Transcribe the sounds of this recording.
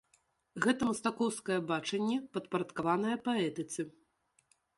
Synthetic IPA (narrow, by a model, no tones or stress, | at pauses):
ɣɛt̪ɐmɐst̪akɔwskɐjɐbat͡ʂɐnʲːɛpɐt̪pɐɾɐt̪kavan̪ɐjɐpaɛt̪ɨt̪sɨ